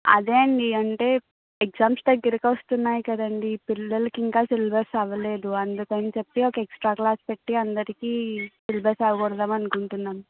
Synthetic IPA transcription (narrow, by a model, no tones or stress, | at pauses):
ɐ̰d̪e̞ːɳɖiɐɳʈe̞ː | ekd͡ʒaːmpsd̪ɐɡːɐɾɐkɐʋɐst̪unːaːjkɐd̪ɐɳɖipilːɐlɐkiŋkaːsilbɐɾsɐʋɐle̞ːd̪uɐnd̪ukɐnit͡ʃepːiɔkɐeksʈɾaːklaːspe̞ʈːiɐnd̪ɐɾikiːsilbʱɐɾsɐʋɐɡɔɽɐd̪aːmɐnukuɳʈunːaːm